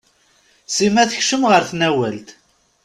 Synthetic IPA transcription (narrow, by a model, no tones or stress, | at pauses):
simæθəçʃəmʁəɾθnæwælt̪